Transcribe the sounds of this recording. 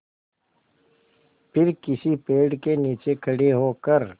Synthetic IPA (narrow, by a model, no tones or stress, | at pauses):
pʰɪɾkɪsipeːɖkeniːt͡ʃekʰɐɽeɦoːkəɾ